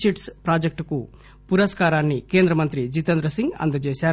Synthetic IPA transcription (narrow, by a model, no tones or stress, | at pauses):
siʈspɾaːd͡ʒek̚ʈku | puɾɐskaːɾaːnːike̞ːnd̪ɾɐmɐnt̪ɾid͡ʒit̪ɐnd̪ɾɐsiŋɡɐ̰nd̪ɐt͡ʃeːʃaːɾ